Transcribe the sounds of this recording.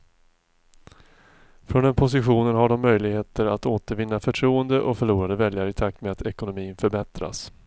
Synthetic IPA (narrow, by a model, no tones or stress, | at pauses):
fɾɔnd̪ɛnpʰʊs̬ɪɧuːnənɦaɖɔmːœjlɪɡheːt̪əɾat̪oːt̪əɾvɪnːafœʈʰɾuːənd̪əʔɔkfœɭuːɾad̪əvɛljaɾəɪt̪ʰak̚t̪meat̪ɛkʊnʊmiːnfœɾbɛt̪ɾa̰s